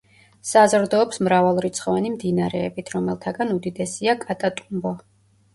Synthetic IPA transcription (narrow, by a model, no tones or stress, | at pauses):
sazɾd̪ɔːpsmɾavalˠɾit̪sʰχɔvanimd̪inaɾɛːbit̪ʰɾɔmɛlˠt̪ʰaɡanud̪id̪ɛsiakʼat̪ʼat̪ʼumbɔ